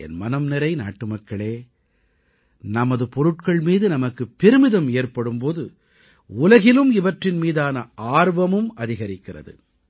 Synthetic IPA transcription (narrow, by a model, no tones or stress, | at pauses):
ɛ̰nmɐnɐmnɪɾɐɪna̰ːʈːɯmɐkːɐɭeː | nɐmɐðɯpɔɾɯʈ̚kɐɭmiːðɯnɐmɐkːɯpːɪɾɯmɪðɐmeːrpɐɽɯmpoːðɯ | ʊlɐɣɪlɯmɪʋɐʈrɪnmiːðaːnɐʔaːɾʋɐmɯmɐðɪɣɐɾɪkːɪrɐ̰ðɯ̰